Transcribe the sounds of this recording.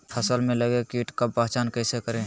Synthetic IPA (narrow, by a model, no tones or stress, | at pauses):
pʰəsəlmẽləɡekiʈkapaɦt͡ʃankəsekəɾẽ